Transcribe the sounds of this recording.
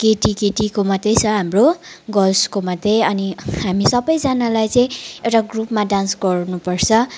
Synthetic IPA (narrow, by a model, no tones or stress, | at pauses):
keʈikeʈikomʌd̪ʱjet͡sʰʌɦamroɡʌlskomʌd̪ʱjeʌniɦamisʌbʌjd͡zanalajt͡sʌĩewʈaɡrupmaɖãnsɡʌɾnupʌrt͡sʰʌ